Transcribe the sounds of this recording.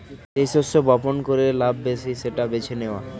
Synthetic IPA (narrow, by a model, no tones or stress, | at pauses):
ʃejsosobɔponkoɾelabːesiʃeʈabet͡ɕʰeneoa̰